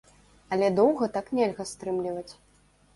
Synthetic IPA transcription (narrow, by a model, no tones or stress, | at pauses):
ɐlʲɛd̪ɔwɣɐt̪aknʲɛlʲɣɐst̪ɾɨmlʲivɐt͡sʲ